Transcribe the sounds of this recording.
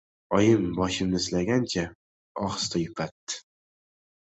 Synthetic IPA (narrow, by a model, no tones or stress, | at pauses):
ɒjɪmbɒʃɪmɪzlaɡʲant͡ʃʰa | ɒχst̪ʰajʊpʰat̪ːɪ̥